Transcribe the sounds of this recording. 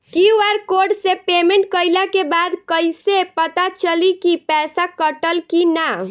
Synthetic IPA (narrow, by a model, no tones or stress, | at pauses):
kiɛɾkoɾɖsepemeɳʈ̚kəjlakebad̪kəjsepət̪at͡ʃəlikipɛsakəʈəlkina